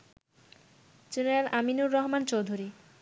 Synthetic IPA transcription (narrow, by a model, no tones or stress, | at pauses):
d͡ʑeneɾalaminuɾːɔɦmant͡ɕowd̪ʱuɾi